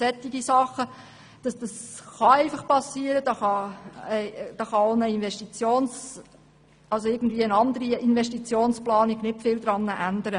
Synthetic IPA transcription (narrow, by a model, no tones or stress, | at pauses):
sɛt̪ːiɡisɑχə | d̥ɑsd̥ɑsχɑɛɪfɑχpɑsiːəɾəd̥ɑːχɑɛd̥ɑːχɑoʊnəinʋɛʃtit͡sjoːns | ɑlsoɪɡn̩d̪viːəənɑnd̪əɾiinvɛʃtit͡sjoːnsplɑːniɡ̥nɪtfɪld̥̪ɾɑnːəʔænd̥̪əɾə